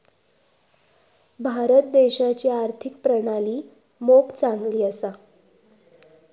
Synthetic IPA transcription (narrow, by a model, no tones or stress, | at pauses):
bʱaɾət̪̚d̪eɕat͡ɕiːaɾt̪ʰikpɾəɽ̃aliː | mopt͡saŋɡliːəsa